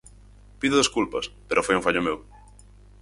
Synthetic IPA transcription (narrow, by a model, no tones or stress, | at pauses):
piðoðeskulpɐspeɾʔofojũŋfaʎomew